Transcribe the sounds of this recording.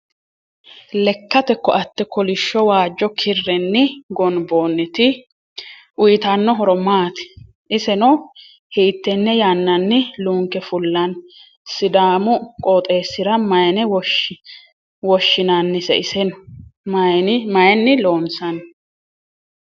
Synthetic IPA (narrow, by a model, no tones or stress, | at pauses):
lɛkːɐt̪ɛkːɔɐt̪ːɛkɔlɪʃːɔwaːd͡ʒːɔkʰɪrːɛnːɪɡɔnboːnːɪt̪ɪ | ʔʊjɪt̪ɐnːɔɦɔɾɔmaːt̪ɪ̥ | ʔɪsɛnɔ | hiːt̪ːɛnːɛjaːnːɐnːɪluːŋkɛfʊlːɐn | sɪd̪aːmʊkʼoːt̪ʼe̞ːsːɪɾɐmɐjnɛwɔ | wɔʃːɪnɐnːɪsɛ̰ɪsɛn | mɐjɛnːɪloːnsɐn